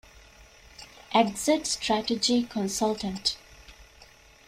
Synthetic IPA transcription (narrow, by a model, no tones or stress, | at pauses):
ʔæɡzeʈsʈɾæʈed͡ʒikʰɔ̃nsalʈə̃nʈ